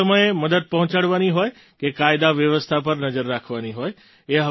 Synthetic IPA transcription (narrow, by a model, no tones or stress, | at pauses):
əməjeməd̪əd̪̚pəɦʊ̃t͡ʃaɽʋaniɦoːe | kekaɪd̪aʋjəʋəst̪ʰap̬əɾnəd͡ʒəɾːakʰʋaniɦoːe | eɦə